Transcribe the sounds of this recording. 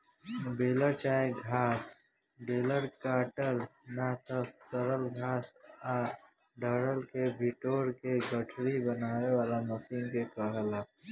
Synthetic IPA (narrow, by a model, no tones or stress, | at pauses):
beːləɾt͡ʃaːeɡʱaːs | beːləɾkaːʈəlnat̪əsəɾəlɡʱaːsa | ɖəɽəlkebʱɪʈoːɾkeɡəʈʰɾibənaːwewaːlaməsiːnkekəɦəla